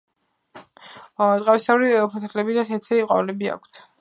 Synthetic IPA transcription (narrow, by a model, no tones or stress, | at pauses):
ɔd̪ʼʁʼavisavɾiɛɔpʰat̪ʰlɛbid̪at̪ʰɛt̪sʰɛiqʼɔ̰vlɛbia̰kʷʰt̪ʰ